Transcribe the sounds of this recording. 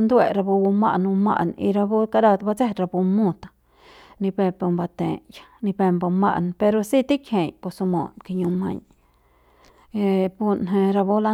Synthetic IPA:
nd̪we˧˨ɾa˧bu˧bu˧ma̰˦˧nũ˧ma̰˧ʔnḭ˧ɾa˧bu˦ka˧ɾa˧t̪ba˧t͡se˦ɾa˧bu˧mũ˧t̪ḁ˧ | nĩ˧pe˧pu˧mba˧t̪ḛ̃˨jḁ˧nĩ˧pe˧mbo˧mã̰˦ʔnpe˧ɾo˧si˦t̪i˦kʰhe˨ɲko˧su˧mo̰˨nki˧ɲũ˧mã̰˧ɲ | e˧bu˧nɦẽ˧ɾa˧bu˦la˧

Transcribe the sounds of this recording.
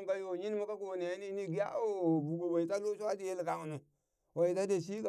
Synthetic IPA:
ka˦jo˨ɲi˦n˦mu˦ka˦ko˨ne˨˦ni˦ni˦ɡi˦ja̰˦o˦˨bu˨ɡo˨wa˨i˨ta˦lo˦ʃa˦di˦je˦lka˨ŋ˨nu˨ | wa˨i˨ta˦de˨s̬i˦ka˨

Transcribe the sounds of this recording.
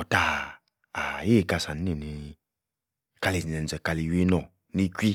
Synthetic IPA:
ɔ˨ta˨ | a˨je˦˨ka˧sa˨n˦i˨ni˨˧ | ka˧li˨nɛ˨n̩˨ɛ˨ka˧li˨we˦nɔ˨ | ni˦kʷwi˦

